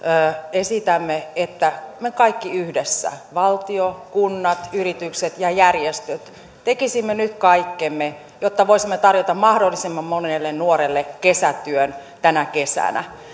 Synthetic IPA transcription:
esit̪æmːeet̪ːæmekɑikːiyhdesːæ̰ʋɑlt̪iokunːɑt̪yrit̪ykset̪jɑjærjest̪øt̪ | t̪ekisimːenyt̪kɑikːemːe | jot̪ːɑʋoisimːet̪ɑrjot̪ɑmmɑhdolːisemːɑmmonelːennuoɾelːekesæt̪yønt̪ænækesæ̰næ̰

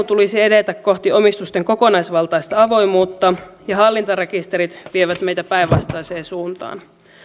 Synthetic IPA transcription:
t̪ulisiedet̪ækko̞ht̪io̞mist̪ust̪e̞ŋko̞ko̞nɑjsʋɑlt̪ɑjst̪ɑɑʋo̞jmuːt̪ːɑjɑɦɑlːint̪ɑɾe̞kist̪eɾit̪ʋieʋæt̪mejt̪æpæiʋʋɑst̪ɑjseːsuːnt̪ɑ̰ːn

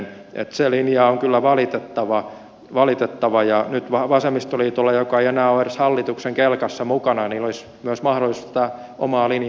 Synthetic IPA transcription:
n | ʔḛt̪selinjɑːoŋkylːæʋɑlit̪et̪ːɑʋɑ | ʋɑlit̪et̪ːɑʋɑjɑnyt̪ʋɑʋɑsemist̪oliːt̪olːɑjokɑeienæːoereshɑlːit̪ukseŋkelkɑsːɑmukɑnɑɑniːlolis | myæøsmɑhɾolˑisu̥st̪t̪æ | ʔomɑːlin

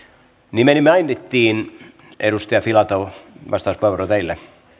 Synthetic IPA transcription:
nimenimːeɑjnːet̪ːiːn | ḛɾust̪iɑfilɑt̪oʋɑ̰st̪ɑuspueʋorot̪eilːe

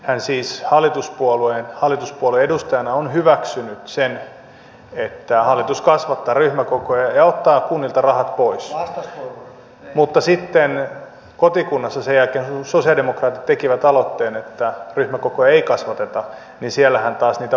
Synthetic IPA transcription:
hænsiːshɑlːˑit̪uspuolueːnhɑlːˑit̪uspuolueedust̪ɑjɑnɑonhyʋæksynyt̪sen | et̪ːæhɑlːit̪uskɑsʋɑt̪ːɑːryhmækokojɑjɑot̪ːɑːkunːilt̪ɑrɑhɑt̪pois | mut̪ːɑsit̪ːen | kot̪ikunːɑsːɑsejælkeːnsosiɑldemokrɑːt̪it̪t̪ekiʋæt̪ɑlot̪ːeːnet̪ːæryhmækokojɑeikɑsʋɑt̪et̪ɑ | ninsiælːæhænt̪ɑːsniːt̪æ

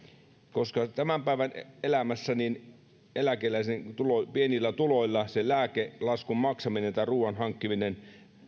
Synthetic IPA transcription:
koskɑt̪æmæmpæiʋænelæmæsːænin | elækelæisent̪ulopienilːæt̪uloilːɑselæːkelɑskummɑksɑminent̪æˑiruːʋɑnɦɑŋkːiminen

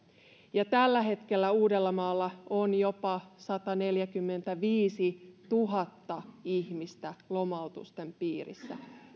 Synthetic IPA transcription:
jɑt̪ælːæɦe̞t̪ke̞lːæuːde̞lːɑmɑːlːɑonjo̞pɑsɑt̪ɑne̞ljækymːe̞nt̪æʋiːsit̪uɦɑt̪ːɑiçmist̪ælo̞mɑut̪ṵst̪e̞mpiːrḭsːæ̰

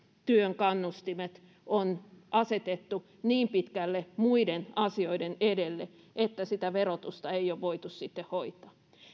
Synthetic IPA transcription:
t̪yøŋkɑnːust̪imet̪ | onʔɑset̪et̪ːu | niːmpit̪kælːemuidenɑsioidenedelːe | ʔet̪ːæsit̪æʋerot̪ust̪ɑeioʋʋoit̪ussit̪ːehhoit̪ˑɑ̥ː

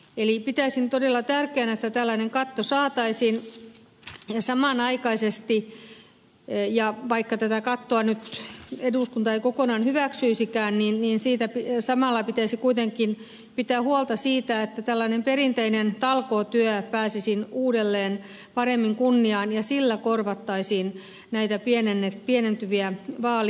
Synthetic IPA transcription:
elipit̪æisint̪odelːɑt̪ærkeæːnet̪ːæt̪ælːæineŋkɑt̪ːosɑːt̪ɑisin | sɑmɑnɑikɑisest̪i | jɑʋɑikːɑt̪æt̪ækɑt̪ːoɑnyt̪eduˑskunt̪ɑeikokonɑːnhyʋæksyisikæːnninniːnsiːt̪æpisɑmɑlːɑpit̪æisikuit̪eŋkːˑin | pit̪ːˑæːhuolt̪ɑsiːt̪æet̪ːæt̪ælːɑinemperint̪einent̪ɑlkot̪yøpæːsisinuːdelːeːn | pɑremːiŋkunːiɑːnjɑsilːækorʋɑt̪ːɑisiːn | næit̪æpienenːepienent̪yʋiæʋɑːl

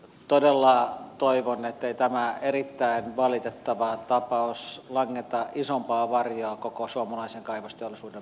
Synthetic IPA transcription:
t̪odelːɑt̪oiʋonet̪ːeit̪æmæerit̪ːæinʋɑlit̪et̪ːɑʋɑt̪ɑpɑoslɑŋːet̪ɑʔisompɑːʋɑrjoɑkokosuomɑlɑiseŋkɑiʋɑst̪eolːˑisuːdem

